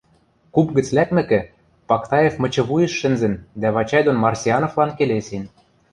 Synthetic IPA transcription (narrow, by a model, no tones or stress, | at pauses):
kupɡɘ̆t͡slækmɘ̆kɘ̆ | pɑkt̪ɑjefmɤ̆t͡ɕɤ̆βujə̆ʃːɘ̆nzɘ̆nd̪æβɑt͡ɕɑjd̪onmɑrsʲiɑnoflɑnkelesen